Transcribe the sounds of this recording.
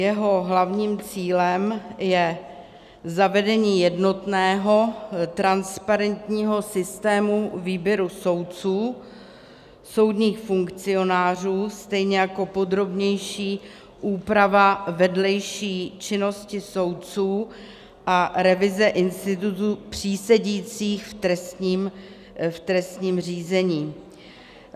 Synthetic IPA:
jɛɦo̞ɦlavɲiːmt͡siːlɛmjɛ | zavɛdɛɲiːjɛdno̞t̪nɛːɦo̞t̪ɾanspaɾɛnt̪ɲiːɦo̞sɪst̪ɛːmuviːbjɛɾuso̞wtt͡suː | so̞wdɲiːxfuŋkt͡sɪo̞naːr̝uːst̪ɛjɲɛjako̞po̞d̪ɾo̞bɲɛjʃiː | ʔuːpɾavavɛdlɛjʃiːt͡ʃɪno̞scɪso̞wt̪t͡suː | ʔaɾɛvɪzɛʔɪnst̪ɪt̪ut̪upr̥iːsɛɟiːt͡siːxft̪ɾɛst̪ɲiːm | ft̪ɾɛst̪ɲiːmr̝iːzɛɲiː

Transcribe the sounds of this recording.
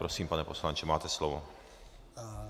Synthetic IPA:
ɾɔsiːmpanɛpɔslaɲt͡ʃɛmaːt̪ɛslɔvɔ

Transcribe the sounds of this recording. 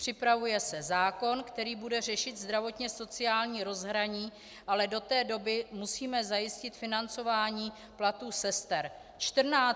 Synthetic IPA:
pr̥ɪpɾavujɛsɛzaːko̞nkt̪ɛɾiːbudɛrɛʃɪt̪zd̪ɾavo̞t̪ɲɛso̞t͡sɪaːlɲiːɾo̞zɦɾaɲiː | ʔalɛdo̞t̪ɛːdo̞bɪmusiːmɛzajɪscɪt̪fɪnant͡so̞vaːɲiː | plat̪uːsɛst̪ɛɾ | t͡ʃt̪r̩naː

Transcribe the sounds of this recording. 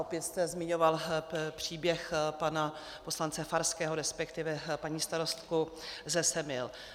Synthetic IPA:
ʔopjɛt̪st̪ɛzmɪɲo̞valpr̝̥iːbjɛxpana | po̞slant͡sɛfaɾskɛːɦoɾɛspɛkt̪ɪvɛpaɲiːst̪aɾo̞st̪kuzɛsɛmɪl

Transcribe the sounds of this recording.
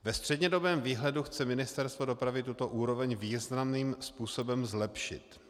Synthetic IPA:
vɛst̪r̝̥ɛdɲɛdo̞bɛːmviːɦlɛduxt͡sɛmɪnɪst̪ɛɾst̪vodo̞pɾavɪt̪ut̪o̞ʔuːɾo̞vɛɲviːznamniːmspuːsobɛmzlɛpʃɪ̰t̪

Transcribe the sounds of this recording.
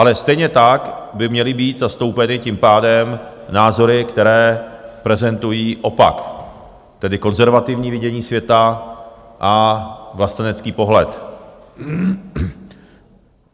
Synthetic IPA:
ʔalɛst̪ɛjɲɛt̪akbɪmɲɛlɪbiːt̪zast̪o̞wpɛnɪcimpaːdɛm | naːzo̞ɾɪkt̪ɛɾɛːpɾɛzɛnt̪ujiːʔo̞pa̰k | t̪ɛdɪko̞nzɛɾvat̪ɪvɲiːvɪɟɛɲiːsvjɛt̪a | ʔavlast̪anɛt͡skiːpo̞ɦlɛt̪

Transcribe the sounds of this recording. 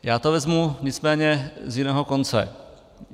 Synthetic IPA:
jaːt̪ovɛzmuɲɪt͡smɛːɲɛzjɪnɛːɦokont͡sɛ̰

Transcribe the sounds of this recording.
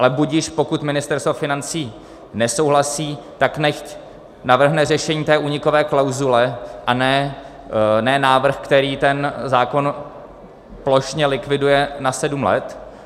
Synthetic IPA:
ʔalɛbuɟiːʃpo̞kut̪mɪnɪst̪ɛɾst̪vofɪnant͡siː | nɛso̞wɦlasiːt̪aknɛxc | navr̩ɦnɛrɛʃɛɲiːt̪ɛːʔuːɲɪko̞vɛːklawzulɛʔanɛː | nɛːnaːvr̩xkt̪ɛɾiːt̪ɛnzaːko̞n | plo̞ʃɲɛlɪkvɪdujɛnasɛdumlɛ̰t̪

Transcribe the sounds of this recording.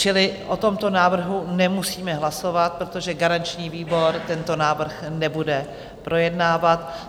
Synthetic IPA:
t͡ʃɪlɪʔot̪o̞mt̪o̞naːvr̩ɦunɛmusiːmɛɦlaso̞vat̪̚pɾot̪o̞ʒɛɡaɾant͡ʃɲiːviːbo̞ɾt̪ɛnt̪o̞naːvr̩xnɛbudɛ | pɾʔo̞jɛdnaːvat̪

